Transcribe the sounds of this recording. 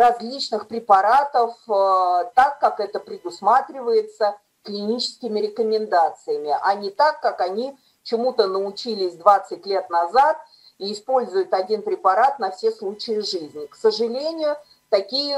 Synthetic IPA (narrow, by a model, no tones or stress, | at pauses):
rɐzʲlʲit͡ɕnɨxpɾʲɪpɐɾat̪əf | t̪akːakɛt̪əpɾʲɪd̪ʊsmat̪ɾʲɪvəjɪt̪sə | klʲɪnʲit͡ɕɪ̥skʲɪmʲɪɾʲɪkəmʲɪnd̪at̪sɨjəmʲɪʔanʲɪt̪akːakɐnʲi | t͡ɕɪmut̪ənəʊt͡ɕilʲɪsʲd̪vat̪sɨt̚ʲlʲe̞t̪nɐzat̪̚ | iːspo̞lʲzʊjʊt̪ɐdʲinpɾʲɪpɐɾat̪nɐfsʲeslˠut͡ɕɪjɪʐɨzʲnʲɪksəʐɨlʲenʲɪjʊ | t̪ɐkʲijə